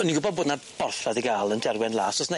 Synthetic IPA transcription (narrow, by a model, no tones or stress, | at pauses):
niɡʊbɔd̚boːdnab̥ɔrθaðiɡaːlˠəndɛrwɛnlˠaːsɔsna